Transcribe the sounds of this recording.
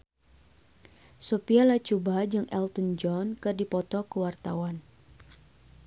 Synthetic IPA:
sopialat͡ʃubad͡ʒɨŋʔɛlt̪ənd͡ʒɔnkɨrdipɔt̪ɔkəwart̪a̰wan

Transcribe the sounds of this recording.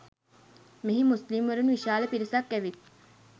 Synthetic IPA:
miɦimuslimʋɐɾunʋiʃaːlepiɾisɐkːæʋit̪̚

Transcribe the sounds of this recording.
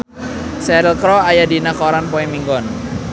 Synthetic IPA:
sɛɾilkɾɔajadinakɔɾanpɔimiŋɡɔn

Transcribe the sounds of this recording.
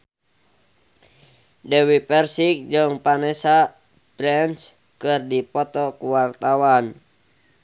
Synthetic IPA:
dɛwipɛrsik̚d͡ʒɨŋpanɛsa | bɾɛns | kɨrdipɔt̪ɔkuwart̪awan

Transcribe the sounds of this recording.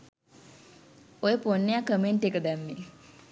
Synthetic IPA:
ojəponːejakəmeɳʈekəd̪ɛmːi

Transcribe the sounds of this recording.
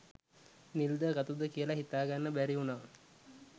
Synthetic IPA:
nild̪əɡɐt̪ud̪əkijəlɐɦit̪aːɡanːəbæɾiunaː

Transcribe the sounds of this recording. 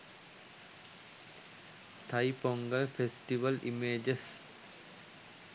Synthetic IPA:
t̪ʰɐipoŋɡəlfesʈiʋɐlʔḭmeːd͡ʒes

